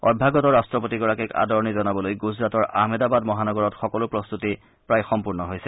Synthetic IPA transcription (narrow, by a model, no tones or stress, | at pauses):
ɔ̰bʱaɡɔtɔɹastɹɔpotiɡɔɹakɛka̰dɔɹnizɔnabɔlojɡuzɹatɔɹʔa̰ɦmɛdabadmɔɦanɔɡɔɹɔtxɔkɔlʊpɹɔst̪uti | pɹajxɔmpuɹnɔɦojsɛ